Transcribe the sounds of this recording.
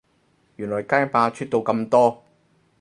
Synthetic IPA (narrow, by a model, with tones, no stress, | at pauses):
jyː˨˩nlɔː˨˩jkaː˥jpaː˧t͡ʃʰyː˥t̚t̪o˧wkɐ˧mt̪ɔː˥